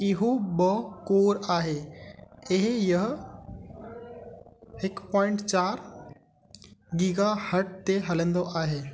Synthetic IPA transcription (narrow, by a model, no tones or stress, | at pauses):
ɪɦobɐkoːɾaːɦeː | ɪɦjɐɦ̆ | ɦɪkpɔ̃ːɪ̃ɳʈt͡ɕaːɾ | ɡiɡahɐʈ̚t̪eɦɐlə̃nd̪oʔaːɦeː